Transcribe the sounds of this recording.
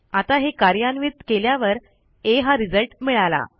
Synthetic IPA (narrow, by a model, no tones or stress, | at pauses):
at̪aɦekaɾjanʋit̪̚keljaʋəɾ | eɦaɾid͡zəlʈmiɭala̰